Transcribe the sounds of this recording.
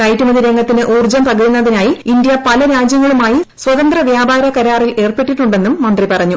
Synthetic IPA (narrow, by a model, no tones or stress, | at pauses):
nɐjʈːumɐðiɾe̞ŋɡɐt̪ːinɨʔuːrd͡ʑɐmpɐɡɐɾunːɐðinaːjiindjɐpɐlɐɾaːd͡ʑjɐŋːɐɭumaːjiswɐðɐnd̪rɐʋjaːbʱaːɾɐkɐɾaːrile̞ːrpeʈːiʈːuɳɖe̞nːumːɐnd̪ripɐrɐɲːu